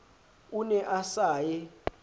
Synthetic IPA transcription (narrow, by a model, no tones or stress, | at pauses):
unɛʔasaːjɛ